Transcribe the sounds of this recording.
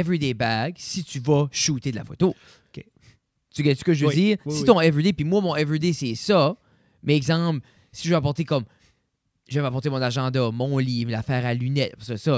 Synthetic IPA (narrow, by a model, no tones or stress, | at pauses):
ɛvʁid̪ebaɡsit̪yvʌʃut̪ed̪la̰fo̰t̪o | ke | t̪ykɛsə̥kəʒəvøziːʁsit̪ɔ̃ɛvʁid̪epimwamɔ̃ɛvʁid̪esɛsʌ | mɛɛɡzɑ̃pl | siʒvøapɔʁt̪ekɔm | ʒəvapɔʁt̪emɔ̃naʒɑ̃d̪amɔ̃lilafɛːʁalynɛt̪̚fasəsʌ